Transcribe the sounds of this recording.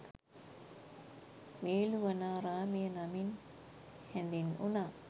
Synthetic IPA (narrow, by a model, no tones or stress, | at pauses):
meːluʋanaːɾaːmijənamin | hɛnd̪inunaː